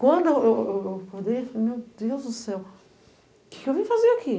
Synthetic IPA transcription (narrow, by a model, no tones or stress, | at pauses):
kwɐ̃nd̪ʊeewewewpod̪ejfalemewd̪ewzd̪ʊsɛw | kɪ̥kɪewvĩfaziaki